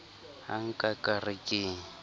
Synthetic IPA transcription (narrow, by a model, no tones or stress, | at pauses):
ha̰ŋ̩kʼakʼarɪkʼɪːŋ̩